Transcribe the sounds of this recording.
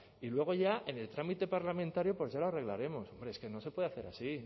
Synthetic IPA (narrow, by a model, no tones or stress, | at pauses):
ilwe̞ɣ̞o̞ʝae̞ne̞lt̪ɾamit̪e̞paɾlamẽ̞nt̪aɾjo̞pwo̞zʝaloare̞ɣla̰ɾe̞mo̞so̞mbɾe̞eske̞no̞se̞pwe̞ðaθe̞ɾasi